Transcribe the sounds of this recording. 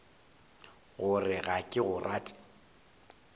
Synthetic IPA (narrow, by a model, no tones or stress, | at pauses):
ɣʊrɪɣakʼɪɣʊrʔaːtʼɪ̥